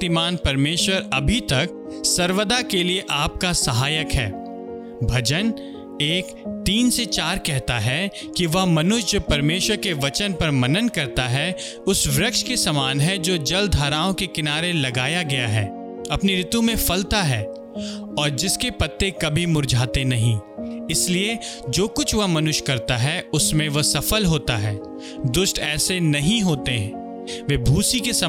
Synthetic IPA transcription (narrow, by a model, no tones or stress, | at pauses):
t̪imaːnpɐɾmeːʃwəɾɐbʱit̪ɐk̚ | sɐɾʋəd̪akelieʔaːp̚kasɐɦaːjəkɦɛ̰ː | bʱɐd͡ʒən | eːk | t̪iːnset͡ʃaːɾkɛɦt̪aɦɛ | kiʋɐɦmɐnʊʃjpɐɾmeːʃwəɾkeʋɐt͡ʃənpɐɾmɐnənkɐɾt̪aɦɛ | ʊsʋɾɐkʃkesɐmaːnɦɛd͡ʒoːd͡ʒɐld̪ʱɦaːɾaːõkekɪnaːɾelɐɡaːjaɡɐjaɦɛ̰ː | ɐpniɾɪt̪ũmẽfɐlt̪aɦɛː | ɔːɾd͡ʒɪskepɐt̪ːekɐbʱimʊɾd͡ʒʱaːt̪enɐɦĩɪslied͡ʒoːkʊt͡ʃʰʋɐɦmɐnʊʃkɐɾt̪aɦɛʊsmẽʋɐsɐfəlɦoːt̪aɦɛː | d̪ʊsʈɛːsenɐɦĩɦoːt̪eɦɛ̃ː | ʋebʱuːsikesɐ